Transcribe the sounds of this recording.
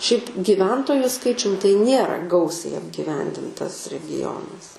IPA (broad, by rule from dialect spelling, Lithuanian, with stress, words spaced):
ʃʲɛɪp ɡʲiːˈʋʲɛntoːjʊ ˈskɐɪt͡ʃʲʊm tɐɪ ˈnʲeːrɐ ˈɡɐʊsʲɛɪ ɐbʲɡʲiːˈʋʲɛnʲdʲɪntɐs rʲɛɡʲɪˈjoːnɐs